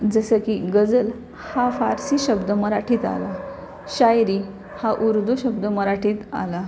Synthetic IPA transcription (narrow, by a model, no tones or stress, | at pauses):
d͡zəsəkiɡəd͡zəl | hafaɾsiːɕəbd̪əməɾaʈʰiːt̪a̰la | ɕajɾi | haʔuɾd̪ʱuɕəb̚d̪əməɾaʈʰiːt̪a̰la